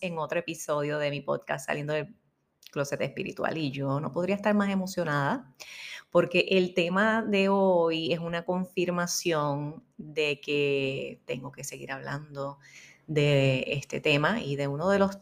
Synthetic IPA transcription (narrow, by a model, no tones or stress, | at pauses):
e̞ŋo̞t̪ɾoepiso̞ðjo̞ðe̞mipo̞̰d̪̚kast̪ːa̰lje̞nd̪oðel | klo̞set̪espiɾḭt̪wa̰liʝono̞̰po̞ðɾiaest̪aɾmase̞mo̞sjo̞naða | po̞ɾke̞ʔelt̪e̞maðe̞oje̞sunako̞ɱfiɾmasjo̞n | d̪e̞ket̪e̞̰ŋɡo̞ke̞se̞ɣḭɾaβla̰nd̪o | d̪e̞ḛst̪e̞̰t̪e̞maiðe̞unoðe̞lo̞s